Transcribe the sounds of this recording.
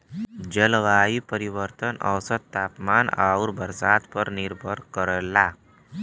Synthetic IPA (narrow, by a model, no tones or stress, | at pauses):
d͡ʑəlʋaipəɾiʋəɾt̪ənʔə̰wsət̪t̪apmana̰uɾbʱəɾsat̪pəɾniɾbʱəɽkəɾlːa